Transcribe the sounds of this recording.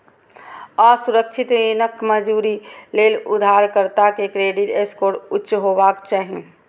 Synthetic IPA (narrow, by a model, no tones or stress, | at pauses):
ɔːɾsʊɾək̚t͡ʃʰɪt̪enəkməd͡ʒuːɾileːlʊd̪ʱaːɾkəɾt̪akekɾeːɖɪʈeskoːɾʊtːʃɦobakt͡ʃaːɦḛ̃